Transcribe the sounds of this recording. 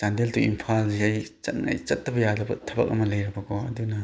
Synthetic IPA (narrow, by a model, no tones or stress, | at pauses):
t͡ʃandeltuimpʰalziajt͡ʃɐt̚ŋa̰jt͡ʃɐt̚ːɐbɐjadɐbɐtʰɐbɐ̰k̚ɐ̰mɐlɐjɾɐbɐkɔɐ̰dunɐ